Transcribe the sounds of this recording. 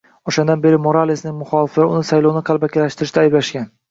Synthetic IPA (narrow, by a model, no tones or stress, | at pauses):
oʃand̪anbe̞ɾɪmo̞ɾalːisnɪŋmʊχɒlɪfʊnɪsajlˠownɪqʰɑlˠbakʲalaʃt̪ɪɾɪʃt̪ajblaʃɡʲan